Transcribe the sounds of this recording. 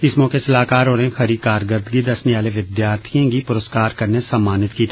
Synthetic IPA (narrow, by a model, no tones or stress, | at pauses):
ɪsmɔːkesɐlaːkaːɾɦoːɾẽxɐɾikaːɾɡəɾd̪ɡid̪ɐsneʋaːleʋɪd̪jaːɾt̪ʰijãɡipʊɾəskaːɾkɐɾnesəmːaːnɪt̪kiːt̪ʰː